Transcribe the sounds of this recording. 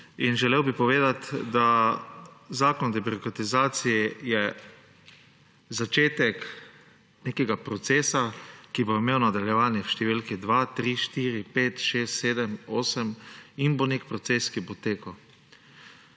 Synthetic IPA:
inʒɛlewbipɔʋeːd̪at̪d̪a | zaːkɔnd̪ɛbiɾɔkɾat̪izaːt̪sijɛjɛ | zat͡ʃeːt̪ɛk | neːkɛɡapɾɔt̪seːsakiboimeːwnad̪aljɛʋaːnjɛwʃt̪ɛʋilkid̪ʋaːt̪ɾiʃt̪iːɾipeːt̪ʃeːst̪seːd̪ɛmoːsəminbonekpɾɔt̪seːskibot̪eːkaw

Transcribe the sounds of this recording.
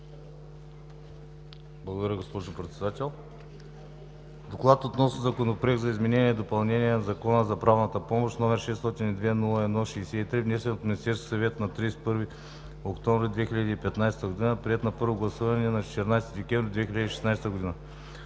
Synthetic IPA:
blˠɐɡʊd̪ɐɾʲəɡospɔʒʊpɾɛt̪sɛd̪at̪ʲɛlˠ | d̪oklˠat̪ot̪nɔsnəzɐkonopɾɛɡ̪zɐizmɛnɛniɛd̪opɐlˠnɛniɛnɐzɐkɔnəzɐpɾavnət̪əpɔmoʃt̪nɔmɛɾʃɛst̪ɔt̪inid̪vɛnulˠɐɛd̪nɔʃɛjsɛit̪ɾivnɛsɛnot̪mʲinʲist̪ɛɾskʲi̥sɐvɛt̪nɐt̪ɾispɤɾvi | okt̪ɔɱvɾʲɛd̪vɛxiʎʲəd̪iːpɛt̪najst̪əɡʊd̪inəpɾiɛt̪nɐpɤɾvoɡlˠɐsuvɐnɛnɐt͡ʃɛ̥t̪ɛɾnajst̪id̪ɛkʲɛ̃vɾid̪vɛxʲilʲɐəd̪iʃɛ̥snajst̪əɡʊd̪inə

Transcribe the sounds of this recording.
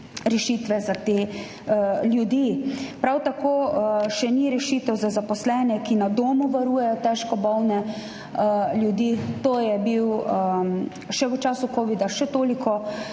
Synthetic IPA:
ɾɛʃit̪ʋɛzat̪eː | ljud̪iːpɾawt̪akoːʃɛniɾɛʃiːt̪ɛwzazapɔslɛːnɛkinad̪oːmuʋaɾuːjɛjɔt̪ɛʃkɔbɔwnɛ | ljud̪iːt̪oːjɛbiw | ʃɛʋət͡ʃaːsukoːʋid̪aʃɛt̪oːlikʰɔ

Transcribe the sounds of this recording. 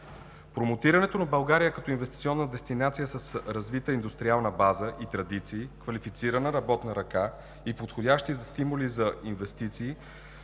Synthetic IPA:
pɾomot̪iɾɐnɛt̪onɐbɐlˠɡaɾijəkɐt̪ɔinvɛst̪it̪siɔnːəd̪ɛst̪inat̪sijəsɐsɾɐzvit̪əind̪ust̪ɾialˠnəbazəʔit̪ɾɐd̪it̪siːkvɐlifit̪siɾənəɾɐbɔt̪nəɾɐka | ipot̪xodʲaʃt̪izɐst̪imʊlizɐinvɛst̪it̪siː

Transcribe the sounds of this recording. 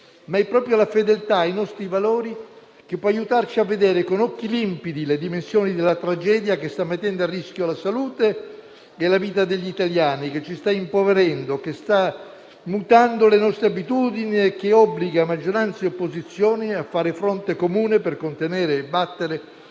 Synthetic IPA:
maɛpːɾɔːpɾjolafed̪elt̪aːjnɔst̪ɾivaloːɾi | k̟epːɔajut̪art͡ʃiavːed̪ɛːɾekonɔkːilimpid̪iled̪imensjoːnid̪elːat̪ɾad͡ʒɛːd̪jakest̪amːet̪ːɛnd̪oarːisk̟jolasaluːt̪eː | laviːt̪ad̪eʎːit̪aljaːnik̟et͡ʃːist̪aimpoveɾɛnd̪okest̪a | mut̪and̪olenɔst̪ɾeabit̪uːd̪iniek̟ːeɔbːliɡamad͡ʒːoɾant̪seopːozit̪sːjoːniafːaːɾefɾont̪ekomuːneperkont̪enɛːɾeːbːat̪ːeɾe

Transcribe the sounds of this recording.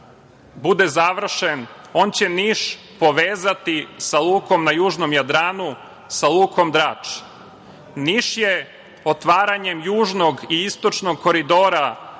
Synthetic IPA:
bud̪ezaʋr̩ʃeno̞ːnt͡ɕeniʃ | po̞ʋeːzat̪isalˠuːko̞mnajuːʒno̞mjad̪ɾaːnu | salˠuːkʰo̞md̪ɾaːt͡ʂ | niʃje | ot̪ʋaːɾaɲemjuːʒno̞ɡiist̪o̞t͡ʃno̞ɡ̚ko̞ɾid̪oːɾa

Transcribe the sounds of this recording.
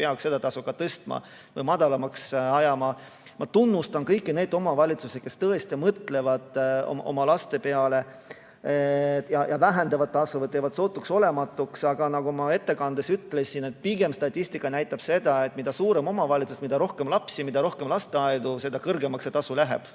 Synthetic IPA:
peɑkse̞d̪ɑt̪ɑsukːɑt̪ɤst̪mɑ̰ | vɤjmɑd̪̥ɑlɑmɑksɑjɑmɑ | mʔɑt̪unːust̪ɑnkɤjkˑːine̞ːd̪o̞mɑvɑlʲit̪suseke̞st̪ɤest̪imɤt̪ˑle̞vɑd̪̥o̰mʔo̞̰mɑlɑst̪e̞pe̞ɑle̞ | jɑjʔɑvæɦend̪ɑvɑd̪̚t̪ːɑsuvet̪evɑd̪̥so̞ːt̪ːˑukso̞le̞mɑt̪ːˑuksɑɡ̥ɑnɑɡ̥umɑe̞t̪ːe̞kɑnd̪esyt̪ːˑle̞sine̞t̪̚piɡ̥e̞mst̪ɑt̪ʲːist̪ikːˑɑnæjt̪ːˑɑb̥se̞d̪ɑe̞t̪ːˑmid̪ɑsuːɾe̞mo̞mɑvɑlʲit̪susmid̪̥ɑɾo̞hke̞mlɑpsimid̪̥ɑɾo̞hke̞mlɑst̪eɑjd̪use̞d̪̥ɑkɤrɡe̞mɑkset̪ɑsulæɦe̞̰b̥

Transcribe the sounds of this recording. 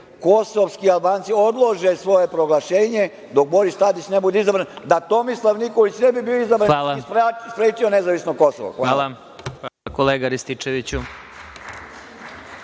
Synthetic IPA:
ko̞soʋskialbaːnt̪sio̞d̪lˠoʒesʋo̞je̞pɾo̞ɡlˠaʃeːɲe | d̪o̞k̚bo̞ɾist̪ad̪it͡ʃnebud̪eizabɾand̪at̪omislˠaʋnikoʋit͡ʃnebibioizabɾanalaspɾspɾeːt͡ʃionezaʋisnoko̞so̰ʋo̰xaala | koleːɡaɾist̪it͡ʃeʋit͡ɕu

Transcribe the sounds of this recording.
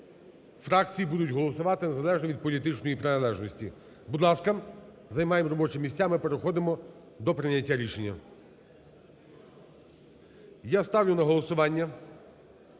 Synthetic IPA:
fɾɑk̚t͡sʲijibud̪ʊtʲɦɔlˠɔsʊʋɑt̪ɪnezɐlˠɛʒnɔʋʲid̪̚pɔlʲit̪ɪt͡ʃnɔjipɾɪnɐlˠɛʒnɔsʲtʲi | bud̪lˠɑskɐ | zɐjmɑjemɾɔbɔt͡ʃɪmʲisʲt͡sʲamɪpeɾexɔd̪ɪmɔ | d̪ɔpɾɪnʲːɐtʲːaɾʲiʃe̞nʲːɐ | jast̪ɑwlʲʊnɐɦɔlˠɔsʊʋɑnʲːɐ

